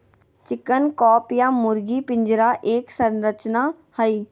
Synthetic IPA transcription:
t͡ʃɪkənkɔːpjaːmʊɾɡiːpɪ̃ɲd͡ʒɾaːʔeːksənɾət͡ʃnaː | həiː

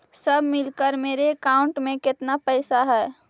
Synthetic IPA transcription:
sɐbʱmɪlkəɾmeːɾekaːʊ̃ɳʈmẽkɪt̪napɛːsaɦɛː

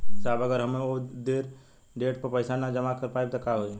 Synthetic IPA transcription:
saːbəɡəɾɦɐmẽod̪eːɾ | ɖeːʈpəɾpəɪsanad͡ʒəmakəɾpaːeb̚t̪ɐkaɦoi

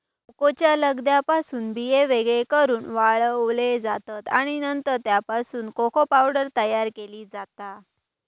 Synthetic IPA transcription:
kot͡ɕjaləɡd̪japasuːnbijeʋeɡɭekəɾuːnʋaɭʋɭed͡zat̪at̪aɽ̃inənt̪əɾt̪japasuːnkokʰopawɽəɾt̪əjaɾkeliːd͡zat̪a

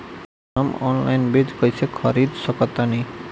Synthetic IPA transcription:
ɔmɔ̰nla̰jnbed͡ʑkojsʰekʰɔɾid̪sɔkɔt̪ːani

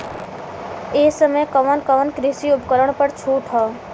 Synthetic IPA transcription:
eːsəməjkəʋənkəʋənkɾɪsiʊpkəɾəɽ̃pəɾt͡ʃʰuːʈʰɦɔː

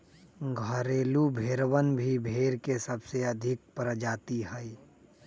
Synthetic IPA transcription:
ɡʱəɾeːlubʱeːɾwənbʱibʱeːɾkesəbseɐd̪ʱɪk̚pɾəd͡ʒaːt̪iɦɛi

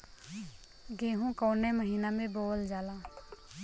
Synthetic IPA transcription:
ɡẽːɦũkɔːneməɦiːnamẽboːld͡ʒaːla

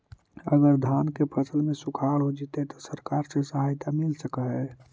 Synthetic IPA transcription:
ə̰ɡəɾd̪ʱaːnkepʰəsəlmẽsukʰaːlɦod͡ʒit̪et̪ɔsəɾkaːɾsesəɦajt̪amɪlsəkəɦɛ

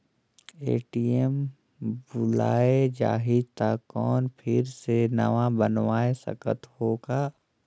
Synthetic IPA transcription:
ḛːʈiem | bʊla̰ːed͡ʒa̰ːɦit̪akɔːnpʰɪɾsenɐ̰ʋãbənʋaːesɐ̰kə̰t̪hoːɡaː

